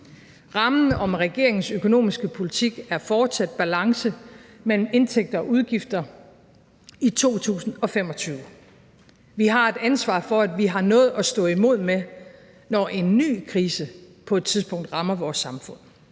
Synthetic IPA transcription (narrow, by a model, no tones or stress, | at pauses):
ʁɑ̈mn̩ɒ̽mʁɛɡ̥e̝̰ɐe̝ŋn̩søkʰo̝no̝̰ːmisɡ̥əpʰo̝lit͡sʰiɡ̥æɐfɒːd̥sæd̥̚b̥ælɑ̈ŋsəmel̰m̩e̝nt͡sʰeɡ̥̚d̥ɐɒ̽ʔuð̞ˠɡ̥ifd̥ɐ | it͡sʰo̝̰ːt͡sʰṵːsn̩ɒ̽fem̰ɒ̽t͡sʰyːʊə | ʋiɦɑ̈e̝d̥ænsʋɑ̰̈ːfɒ̽æd̥ʋiɦɑ̈nɔ̽ːð̞̩ˠɒ̽sd̥ɔ̰̽ːimo̝ð̞̰ˠme | nɒʔe̝nːy̰ːkʰʁiːsəpʰɒ̽ed̥t͡sʰiðˠsb̥ɔ̽ŋ̰d̥ʁɑ̈mɐʋɒːsːɑ̈mfɔ̽n̰